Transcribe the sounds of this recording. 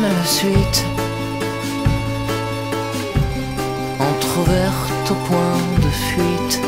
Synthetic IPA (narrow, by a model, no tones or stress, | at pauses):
alasɥit̪ | ɑ̃t̪χuvɛʁ | t̪opwɛ̃d̪əfɥit̪